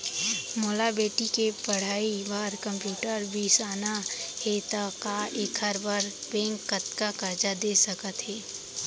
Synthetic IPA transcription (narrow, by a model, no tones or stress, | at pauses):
moːlabeːʈikepɐɽ̤aːibaːɾkə̃mpjuːʈəɾbʱiːsaːnahet̪akaeːkʰəɾbəɾbɛ̃ːŋkːət̪kakəɾd͡ʒad̪eːsəkət̪ɦɛː